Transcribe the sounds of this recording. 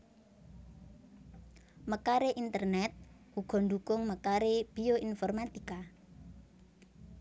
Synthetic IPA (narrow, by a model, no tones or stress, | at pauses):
məkaɾeʔint̪ərnɛt̪̚ | huɡ̥ɔ̤nd̪ukʊŋməkaɾeb̥ioinfɔrmat̪ika